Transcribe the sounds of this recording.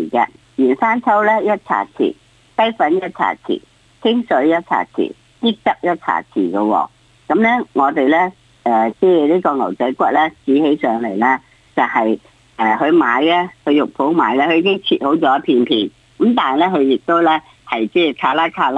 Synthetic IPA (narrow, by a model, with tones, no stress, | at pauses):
i˨˩kɛ̰˧ | jiː˨˩nsaː˥nt͡sʰɐ˥wlɛː˥jɐ˥t̚t͡sʰa̰ː˨˩t͡sʰḭː˨˩ | t̪ɐ˥jfɐ˨˥njɐ˥t̚t͡sʰa̰ː˨˩t͡sʰḭː˨˩ | t͡sʰɪ˥ŋsɵ˨˧˥ɥjɐ˥t̚t͡sʰa̰ː˨˩t͡sʰḭː˨˩ | kiː˥k̚t̪ɐ˥p̚jɐ˥t̚t͡sʰa̰ː˨˩t͡sʰḭː˨˩ɡɐ˧wɔ̰ː˧ | kɐ˨˥mlɛ˥ŋɔː˨˧t̪e˨jlɛː˥ | ɛː˨t͡sɛː˥liː˥kɔː˧ŋɐ˨˩wt͡sɐ˨˥jkʷɐ˥t̚lɛː˥t͡siː˨˧˥he˨˥jsœː˨˧ŋle˨˩jlaː˥ | t͡sɐ˨˩hɐ˨j | ʔɛː˨˩hɵ˧ɥmaː˨˧˥jlɛ˥hɵ˧ɥjʊ˨k̚pʰo˨˥wmaː˨˥jlɛː˥hɵ˧iː˧kɪ˥ŋt͡sʰiː˧t̚ho˨˥wt͡sɔː˨˦jɐ˥pʰiː˧npʰiː˧n | kɐ˨˥mt̪aː˨lɛ˥ɦɵ˨˧ɥjɪ˨k̚t̪o˥wlɛ˥ | hɐ˨jt͡sɛː˥t͡sʰaː˨˧˥laː˥kʰaː˧˥